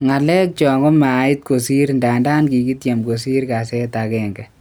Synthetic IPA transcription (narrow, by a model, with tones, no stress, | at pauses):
ŋa˨lɛ˦k̚t͡ʃɔ˨ŋɔ˦ma˨˦i˦t̚ko˨si˦ɾnda˨nda˦nki˨ki˦tja˨mko˨s̬i˦ɾka˨sɛ˦takɛ˦ŋɡɛ˨